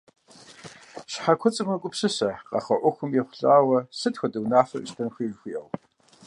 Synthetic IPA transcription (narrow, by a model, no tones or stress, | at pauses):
ʃħakʷʰɔt͡sʼɨmɐkʷʼʊpsɨsɐqɑ̰χɐʔʷʊxʷʊmjɛχʷʊɬʼaːwɐsɨtxʷɐtʼɨwnaːfɐʔʃtʰɐnxʷiːʒxʷiːʔɐw